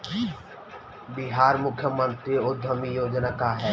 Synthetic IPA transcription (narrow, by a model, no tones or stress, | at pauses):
bɪɦaːɾmʊkʰːjəmə̃nt̪ɾiʊd̪ʱəmijoːd͡ʒnakaɦɛː